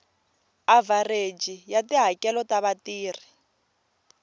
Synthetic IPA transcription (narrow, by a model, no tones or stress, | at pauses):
avared͡ʒijatiɦakɛlɔtaβatiːr̤i